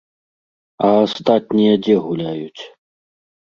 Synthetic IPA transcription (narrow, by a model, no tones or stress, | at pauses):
ɐːst̪at̪ʲnʲijɐd͡zʲɛɣulʲajut͡sʲ